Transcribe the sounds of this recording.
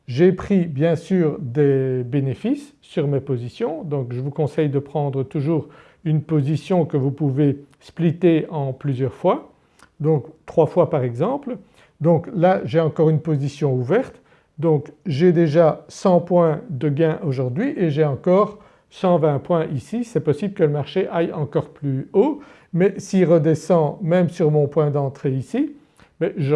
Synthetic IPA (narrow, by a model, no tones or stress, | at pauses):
ʒepχibjɛ̃syːʁd̪ebenefisːyʁmepozisjɔ̃d̪ɔ̃kʒəvukɔ̃sɛjd̪əpχɑ̃d̪ʁət̪uʒuːʁ | ynpozisjɔ̃kəvupuve | split̪eɑ̃plyzjœʁfwa | d̪ɔ̃kt̪χwafwapaʁɛɡzɑ̃pl | d̪ɔ̃klaʒeɑ̃kɔʁynpozisjɔ̃uvɛʁt̪ | d̪ɔ̃ːkʒed̪eʒasɑ̃pwɛ̃d̪əɡɛ̃ʔoʒuʁd̪ɥiʔeʒeɑ̃kɔːʁ | sɑ̃vɛ̃pwɛ̃ʔisisɛpɔsibləkələmaʁʃeʔajɑ̃kɔʁplyo | mɛsiʁəd̪esɑ̃mɛmsyʁmɔ̃pwɛ̃d̪ɑ̃t̪χeisi | mɛʒə